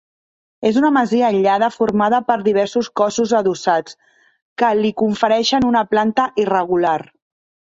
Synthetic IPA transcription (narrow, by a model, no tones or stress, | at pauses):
ezunəməziəːʎað̞əfuɾmað̞əpəɾðiβ̞ɛɾsuskɔsuzəðusat͡s | kəlikuɱfəɾɛʃənunəplant̪əʔirəɣular